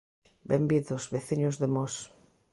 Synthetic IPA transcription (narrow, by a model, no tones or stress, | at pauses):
bembiðʊzβeθiɲʊzðemɔs